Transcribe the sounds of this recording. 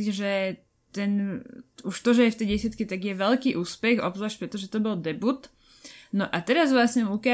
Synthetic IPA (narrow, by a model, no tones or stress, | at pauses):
ʒɛ | t̪ɛnuʃt̪ɔʒɛjɛft̪ɛjɟɛsɪat̪kit̪aɡjɛʋɛlkiːʔuːspɛxɔ̰bzaʃpɾɛt̪ɔʒɛt̪ɔbɔld̪ɛbut̪ | nɔʔat̪ɛɾazʋlasɲɛuka